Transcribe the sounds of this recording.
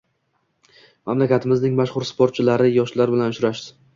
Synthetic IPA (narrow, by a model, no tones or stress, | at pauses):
mamlakʲat̪ʰɪmɪznɪŋmaʃχʊɾspoɾt̪̚t͡ʃʰɪlaɾɪjɒʃlaɾbɪlanʊʃɾaʃd̪ɪ̥